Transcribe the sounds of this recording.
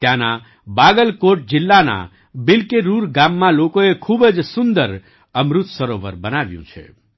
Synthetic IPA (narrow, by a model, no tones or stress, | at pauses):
t̪jãna | baɡəlkoʈ̚d͡ʒɪlːana̰ | bɪlkeɾuɾɡamːãlokoekʰubd͡ʒsund̪əɾ | əmɾut̪səɾoʋə̰ɾbənaʋjṵ̃t͡ʃʰḛ